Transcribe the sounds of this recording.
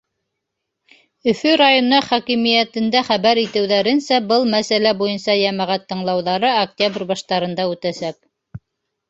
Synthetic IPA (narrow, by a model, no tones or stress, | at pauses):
ɵ̆fɵɾajonɑχɑkimijæt̪ɘ̆nd̪æχæβæɾit̪ɘ̆wðæɾɘ̆nsæbɤlˠmæsælæbujɤnsɑjæmæʁæt̪ːɤ̆ɴlˠɑwðɑɾɤɐk̚t̪ʲabrʲbɑʃt̪ɑɾɤ̆nd̪ɑʉt̪æsæk̚